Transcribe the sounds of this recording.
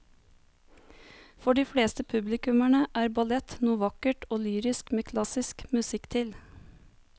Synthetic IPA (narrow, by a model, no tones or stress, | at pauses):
fɔɖiːfɽeːst̪əpʰʉblɪkʉmæɳəʔæːɾbɑlɛt̪nuːʋɑkəʈoːlyːɾɪskmeːkʰlɑsɪskmʉsɪkt̪ʰɪl